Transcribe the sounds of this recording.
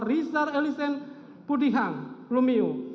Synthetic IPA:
risaɾelisɛn | pudiɦaŋlumiu

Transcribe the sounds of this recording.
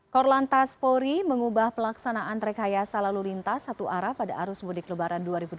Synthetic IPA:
kɔrlant̪aspoɾiməŋubahpəlaksanaʔant̪ɾɛkajasalalulint̪asat̪uʔaɾapadaʔaɾʊsbudɪklubaɾanduaɾibud

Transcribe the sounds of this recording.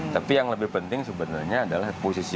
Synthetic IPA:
t̪apijaŋləbɪhpənt̪ɪŋsəbənarɲaːdalahposisi

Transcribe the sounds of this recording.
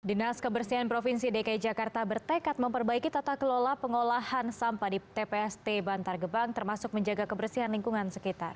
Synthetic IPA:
dinaskəbərsiɦanpɾofinsidekaid͡ʒakart̪abərt̪əkat̪̚məmpərbaikit̪at̪ahkəlolahpəŋolahansampajdit̪epeɛst̪ebant̪arɡəbaŋt̪ərmasʊk̚məɲd͡ʒaɡakəbərsiɦanliŋkuŋansəkit̪ar

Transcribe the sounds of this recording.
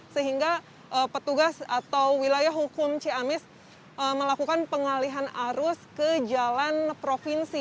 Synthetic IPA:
səɦiŋɡa | ʔəpət̪uɡasat̪awwilajahɦukʊmt͡ʃeamɛs | əməlakukanpəŋaliɦanaɾʊskəd͡ʒalanpɾofinsi

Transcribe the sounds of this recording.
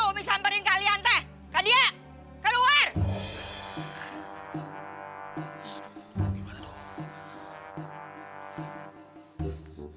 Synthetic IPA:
ubisampəɾɪnkaliant̪ɛh | kadia | kaduwar | ɡimanat̪o

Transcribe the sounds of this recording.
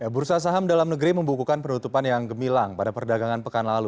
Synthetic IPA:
jabuɾsas̬aɦamdalamnəɡɾiməmbukukanpənut̪upanjaŋɡəmilaŋpadapərdaɡaŋanpəkanlalu

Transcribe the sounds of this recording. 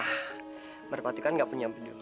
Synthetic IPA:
mərpat̪ikanɡaʔpuɲambidio

